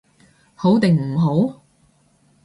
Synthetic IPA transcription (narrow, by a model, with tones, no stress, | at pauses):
ho˨˥wt̪ɪ˨ŋm̩˨˩ɦo˨˥w